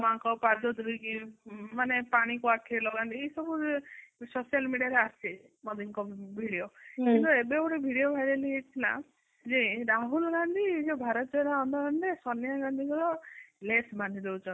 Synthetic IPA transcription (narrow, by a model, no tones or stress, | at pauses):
maŋkɔpaɾd̪ɔd̪ɾiɡimanepaɽ̃ikuakʰilɔɡand̪ieisɔbusosijalmiɽijaɾeasi | mɔd̪iŋkɔbʱiɽiokint̪uebebuʈebʱiɽiobʱajɾeliet̪ʰila̰ | d͡ʒeɾaɦulɡand̪ʱid͡ʒɔbʱaɾɔt̪d͡ʒɔjɾaɔnd̪ɔɡaɳɖesɔnjaɡand̪ʱiɡɔɾɔlesband̪ʱid̪ewt͡ʃʰɔn